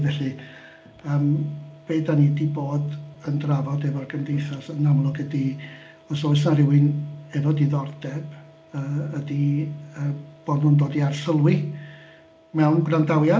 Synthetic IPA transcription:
vɛɬɨ | əːmb̥eːdanidiboːdəndravɔdɛvɔrɡəmdejθasənamlˠʊɡədi | ɔsɔsnarɪwɨnɛvɔdiðɔrdɛb̥ | əːədiəːb̥ɔdhʊndoːdiarsəlˠwi | mɛwnɡrandawja

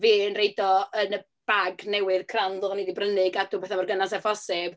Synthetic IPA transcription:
viːənrejdɔənə | b̥aɡnɛwɨðkʰranðʊnidibrənɪɡaduːbɛθamarɡənasɛfɔsɪb̥

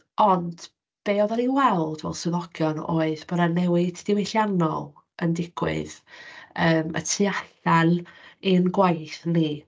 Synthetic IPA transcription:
ɔnd̥ | b̥eːɔðɔniwɛlˠd̥mɛ̰lˠsɨðɔɡ̥jɔnoːɨðb̥ɔdanɛwɪdʰd̥ɪweɬjanɔ̰lˠ | əndɪɡ̥wɪ̰ðəːmə̰tʰiaɬaninɡwajθni

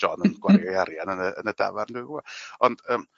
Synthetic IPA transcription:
ɔnənɡwarajaɾjanənəənəda̰varndɪvuaɔnd̥əːm

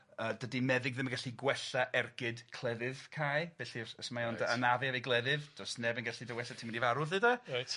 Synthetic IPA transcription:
əːdədimɛðɪɡðɪmənɡaɬiɡwɛɬaʔɛrɡɪdkʰlˠɛðɨð̥kʰajb̥eːɬiɔsmajɔndənavɛavejɡlˠɛðɨðd̥ɔsnɛbənɡaɬidəwɛɬatʰimndivaɾʊðɨda

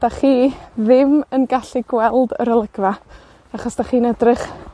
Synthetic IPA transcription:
d̥aχiːðɪmənɡaɬiɡwɛlˠdə̰ɾəlˠəɡva | aχɔsd̥aχiːnədrɪχ

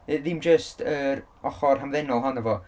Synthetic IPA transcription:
əðɪmd͡ʒəstʰəɾ | ɔχɔrɦamðɛnɔlˠɦɔnəvɔ

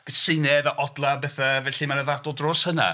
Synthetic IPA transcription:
ɡ̥əsɪnɛðaʔɔdlˠabɛθavɛɬimanəðadɔlˠdrʊːshəna̰

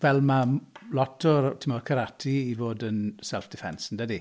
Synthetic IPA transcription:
vɛlˠmalɔtʰɔɾtʰɪmɔrkʰəɾatʰiivoːdənsɛlˠfd̥ɪfɛnsndədi

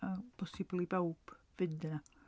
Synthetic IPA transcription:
apʰɔsiblˠibɛwpvɪndəna

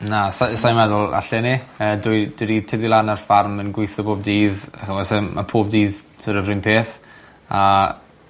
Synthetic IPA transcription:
nasasajmɛðɔlˠa̰ɬɛniəːdʊjd̥ʊɾitʰɪðɪlˠanarfarmənɡwɪɨθɔbʰoːb̚diːðaχəwɛsɛmʔa̰pʰoːbdiːðtʰəɾəvrɪnpʰeːθ | a

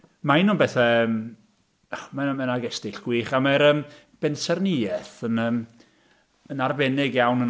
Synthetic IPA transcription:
maɪnunbɛθɛəm | manmɛnaɡɛstɪɬɡ̥wiːχamaɾəːm | b̥ɛnsɛrnɪɛθənəːm | ənarvɛnɪɡjawnən

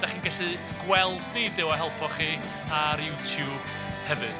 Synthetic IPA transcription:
d̥aχiːnɡaɬɨ | ɡ̥wɛlˠdnidɪwaɦɛlˠpʰɔχiː | aɾjuːtʰjuːb̥ | hɛvɨd̥

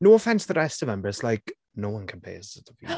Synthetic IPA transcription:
noːəfɛ̃nsðəɹɛstəvnɛ̃mbə˞ɪtslaɪk | noːwʌ̃nkʰə̃npʰḛɪzətʰəvi

